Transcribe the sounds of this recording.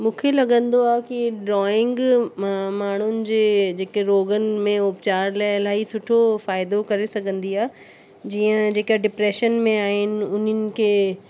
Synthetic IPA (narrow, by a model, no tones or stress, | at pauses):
mũːkʰelɐɡə̃nd̪oaːkiɖɾɔːɪ̃ŋɡ | maːɳ̤ʊnɪ̆d͡ʑeːd͡ʑeːkeɾoːɡənɪ̆mẽʊpt͡ɕaːɾlaːɪɐlaːɦisʊʈʰofaːɪd̪okɐɾesɐɡʱə̃nd̪iaː | d͡ʑiːə̃d͡ʑeːkaɖɪpɾeːʃənmẽaːɦɪnɪ̆ʊnənɪ̆kʰeː